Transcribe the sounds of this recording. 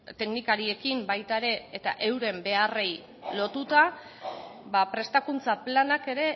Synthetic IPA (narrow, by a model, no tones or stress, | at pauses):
t̪e̞knikaɾie̞kimbajt̪aeɾe̞ːt̪a̰ʔe̞wɾe̞mbe̞are̞j | lo̞t̪ut̪a | bapɾe̞st̪akunt͡saplanake̞ɾe̞